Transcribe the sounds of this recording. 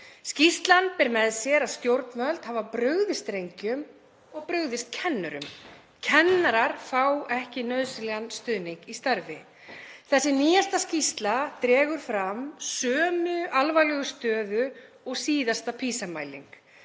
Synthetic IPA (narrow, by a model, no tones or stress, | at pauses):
scist̪lanpɛɾmɛðsjɛɾaðst̪jowɾt̪nmœlt̪haːvapɾœɣðɪst̪ɾejɲcʏm | ɔɣpɾœɥɣðɪst̪̚cʰɛnːʏɾʏ̰m | cʰɛnːaɾaɾ̥fawɛhcɪnœðsɪlɛɣanst̪ʏðniŋkist̪aɾvɪ | θɛsːɪniːjast̪ascist̪lat̪ɾɛːɣʏɾ̥fɾamsœːmʏʔalvajlɛɣʏst̪œːðʏ | ɔɣsiːðast̪apʰiːsama̰ːjlḭŋk